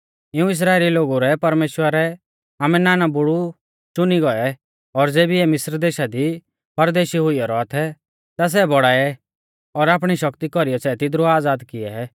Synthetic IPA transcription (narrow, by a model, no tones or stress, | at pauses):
ɪũɪs̬ɾaːeːliloːɡuɾɛpɐɾmeːʃwəɾɛ | aːmɛnaːnabʊɽu | t͡ʃʊniɡɔɛ | ɔɾd͡zeːbiɛmɪsɾd̪eːʃad̪i | pɐɾd̪eːʃiɦʊiɔɾɔat̪ʰɛ | t̪as̬ɛbɔɽaːɛ | ɔɾaːp̬ɽ̃iʃɐkt̪ikɔɾijɔsɛt̪ɪd̪ɾuaːd͡zaːd̪kɪɛ